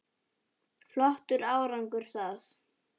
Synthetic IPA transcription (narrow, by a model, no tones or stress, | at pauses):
flɔht̪ʏɾaːwɾaŋkʏɾ̥θas